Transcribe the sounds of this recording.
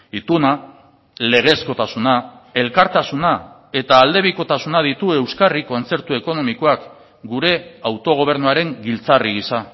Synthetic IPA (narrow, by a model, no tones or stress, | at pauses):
it̪una | le̞ɣ̞e̞sko̞t̪asunae̞lkaɾt̪asuna | e̞t̪aːld̪e̞βiko̞t̪asunað̞it̪ue̞wskariko̞nt͡se̞ɾt̪ue̞ko̞no̞miko̞ak | ɡuɾe̞awt̪o̞ɣ̞o̞β̞e̞ɾnuaɾe̞ŋɡilt͡sariɣisa